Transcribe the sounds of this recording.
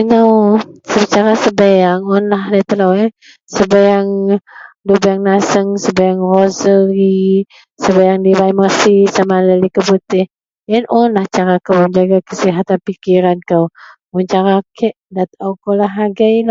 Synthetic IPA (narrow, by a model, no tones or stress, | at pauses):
ənawsət͡ʃaɾasəbajaŋɔnlaɦlat̪əlawɛ | səbajaŋ | dubajaŋnasəŋsəbajaŋrozəɾi | səbajaŋdibajməsisamalalikəput̪ɪh | jənʔɔnlaht͡ʃaɾakəwbəmd͡ʒaɡakəsiɦat̪anpikiɾankaw | uɲt͡ʃaɾakʰɛʔdat̪awkolaɦaɡajla